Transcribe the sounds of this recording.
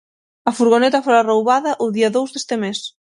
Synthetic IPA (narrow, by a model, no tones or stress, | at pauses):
ɐfuɾɣonet̪ɐfoɾarowβaðɐʔʊðiɐðowzðe̥st̪ɪmes